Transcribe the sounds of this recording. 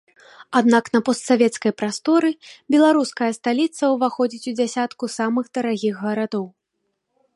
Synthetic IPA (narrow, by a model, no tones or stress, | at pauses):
ad̪nakn̪ɐpɔst̪savʲɛt̪skɐjpɾast̪ɔɾɨbʲɛlˠaɾuskɐjɐst̪alʲit̪sɐwvaxɔd͡zʲit͡sʲud͡zʲasʲat̪kusamɨxd̪ɐɾaɣʲiɣːɐɾad̪ɔw